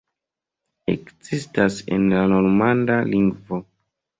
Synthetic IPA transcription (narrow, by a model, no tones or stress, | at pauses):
ḛkzistase̞̰nlano̞ɾmandaliŋɡvo̞